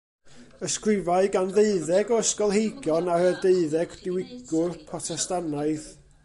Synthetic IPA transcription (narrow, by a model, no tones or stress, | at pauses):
əskrɪvaɨɡanðeɨðɛɡɔəskɔlˠɦejɡjɔnaɾədeɨðɛɡd̥ɪwɪɡʊrpʰrɔtʰɛstanaɨθ